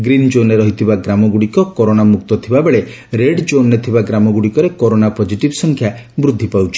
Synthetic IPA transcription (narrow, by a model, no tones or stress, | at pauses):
ɡɾind͡ʒoneɾɔɦit̪ʰibaɡɾamɔɡuɽikɔkɔɾonamuk̚t̪ɔt̪ʰibabeɭe | ɾeɖd͡ʒonːet̪ʰibaɡɾamɔɡuɽikɔɾekɔɾonapɔd͡ʒiʈibsɔŋkʰja | bɾud̪ʱːipawt͡ʃʰi̥